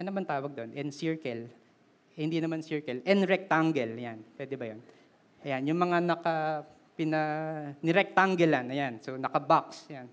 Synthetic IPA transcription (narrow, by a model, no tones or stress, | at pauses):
ʔɐnɐbɐnt̪aːwɐɡ̚d̪o̞nʔɛnsɪɹkɛl | hɪnd̪inɐmansɪɹkɛlɛnɾɛk̚t̪aŋɡɛljanpwɛːd̪ɛbɐjon | ʔɐjanjʊŋmɐŋanɐka | pɪnɐnɪɾɛk̚t̪aŋɡɛlanːɐjansonɐkɐbaksjan